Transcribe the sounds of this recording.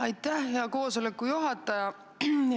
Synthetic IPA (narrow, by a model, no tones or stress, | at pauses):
ɑjt̪ˑːæhːeɑko̞ːso̞le̞kːˑujuɦɑt̪ːˑɑjɑ